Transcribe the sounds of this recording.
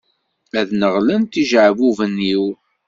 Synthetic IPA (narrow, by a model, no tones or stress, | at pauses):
æðnəʁlənt̪iʒʕəvuvəniw